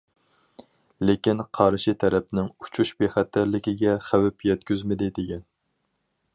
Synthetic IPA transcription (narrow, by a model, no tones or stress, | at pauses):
lekʲinqʰɑɾɨʃit̪ʰɛɾɛp̚nɪŋut͡ʃʰuʃbeχæt̪ːæɾlɪkʲiɡʲɛχæwɪpjɛt̪̚kʲyzmɪd̪ɪd̪eɡʲɛn